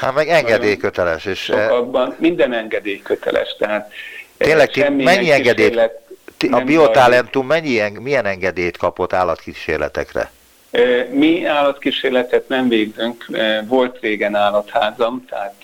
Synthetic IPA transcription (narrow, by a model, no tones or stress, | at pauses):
hat̪mɛɡɛŋɡɛd̪eːjkøt̪ɛlɛʃeːʃɡ̚bɒnmind̪ɛnɛŋɡɛd̪eːjkøt̪ɛ̰lɛ̰ʃt̪ɛɦaːt̪eːlɛk̪̚ɛmːimɛɲːiɛŋɡɛd̪ejt̪t̪ɒpiot̪alɛnt̪umːɛɲːiɛŋmijɛnɛŋɡɛd̪eːjt̪kɒpot̪ːaːlɒt̪kiʃḛːrlɛ̰t̪ɛ̰krɛ̰ | miaːlɒt̪kiʃeːrlɛt̪ɛt̪nɛɱveːɡzøŋkːvo̞lt̪reːɡɛnaːlɒt̪haːzɒmt̪ɛɦaːt̪